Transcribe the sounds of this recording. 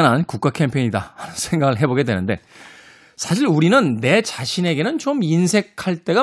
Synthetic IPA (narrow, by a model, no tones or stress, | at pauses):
nankuk̚k͈akʰempʰeiɲidahanɯnsʰe̞ŋɡaɡɯɭɦe̞boɡe̞dwe̞nɯnde̞̰ | sʰaɕ̬ʰiɾuɾinɯnːe̞t͡ɕaɕʰine̞ɡe̞nɯnt͡ɕominsʰe̞kʰaɭt͈e̞ɡa